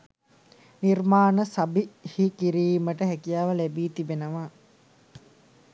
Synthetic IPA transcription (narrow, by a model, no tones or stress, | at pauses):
nirmaːnəsabihikiɾiːməʈəɦækijaːʋəlæbiːt̪ibenəʋa